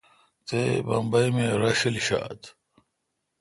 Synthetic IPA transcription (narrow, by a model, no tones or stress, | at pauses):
t̪ebɐ̰mbɐjmeɾɐɕilɕa̰ːt̪